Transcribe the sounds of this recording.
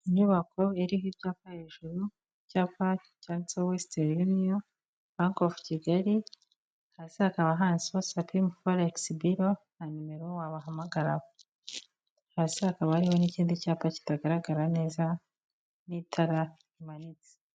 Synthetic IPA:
iɲuβakʰo̞eɾiɦibjaːpahe̞ːʒuɾu | caːpa | cansowesteɾjunio | βaŋkofu̥ciɡaɾi | hasihakaβaɦaːnsiβosapʰimufoɾeksibiɾo | nanumeɾowaβaɦamaɡaɾaβo | haːsihakaβahaɾiho̞niciːndicaːpaci̥taɡaɾaɡaɾane̞ːza | niːtʰaɾa | imanit͡se̥

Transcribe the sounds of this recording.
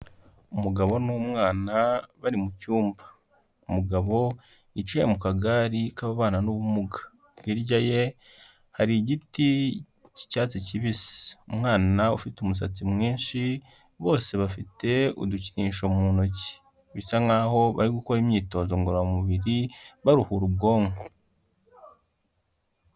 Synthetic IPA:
umuɡaβo̞nomŋaːnaβaɾimucuːmbḁ | umuɡaβo̞ | it͡ʃwejemukaɡaɾikaβaβaːnanuβumuɡa | βiɾɟaje̞ | haɾiɟiti | ci̥caːt͡siciβisi̥umŋaːnaufitumus̬at͡simŋiːnʃi | βo̞ːse̞βafite̞ṵduciniːʃomunoci̥ | βisaŋɡaho̞βa̰ɾiɡuko̞ɾimɲiːto̞ːzoŋɡoɾamuβiɾiβaɾuhuɾub̚ɡo̞ːŋɡo

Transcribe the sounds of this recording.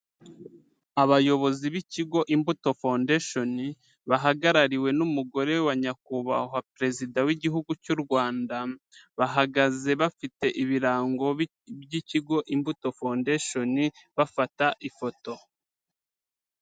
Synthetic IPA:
aβajo̞βo̞ziβiciɡo̞ʔimbuto̞fondeʃo̞ni | βaɦaɡaɾaɾiwe̞numuɡo̞ɾe̞waɲakuβaɦapɾe̞zidawiɟiɦuɡucuɾɡwaːnda | βaɦaɡaze̞βafite̞ʔiβiɾaːŋɡo̞ | βjiciɡo̞ʔimbuto̞fondeʃo̞niβafataʔifo̞to̞

